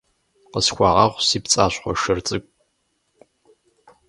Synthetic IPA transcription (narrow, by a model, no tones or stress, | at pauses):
qəskʷaʁɑʁʷsipt͡sʼaːɕʷχʷɔʂɨrt͡sʼɨkʷʼ